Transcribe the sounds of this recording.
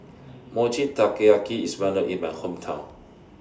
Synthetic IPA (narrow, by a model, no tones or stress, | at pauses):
mɔt͡ʃitakeakiiswɛ̃ləʔĩnmãnhõmtʰãʊ̃n